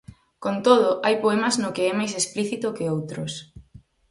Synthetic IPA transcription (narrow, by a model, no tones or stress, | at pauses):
kont̪oðʊʔajpoɛmɐznʊkɪɛmajsespliθit̪ʊkɪowt̪ɾʊs